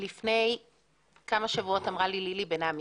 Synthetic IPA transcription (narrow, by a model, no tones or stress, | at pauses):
lifne̞j | kamaʃavuo̞tamʁalililibenami